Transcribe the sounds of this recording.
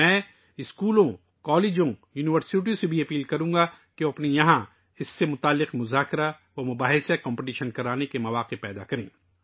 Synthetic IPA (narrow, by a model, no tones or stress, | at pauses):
ɛ̃ː | ɪskuːlõ | kɔːleːd͡ʒõjuːnɪʋəɾsɪʈ̬iõsebʱiɐpiːlkɐɾũːɡa | keoɐpnejɐɦã | ɪsːemʊt̪aːlːɪqmʊzaːkɾa | ʋomʊbaːɦɪsekɔ̃ːmpɪʈ̬iːʃənkɐɾaːnekemɐʋaːqepɛːd̪a̰kɐɾḛ̃ː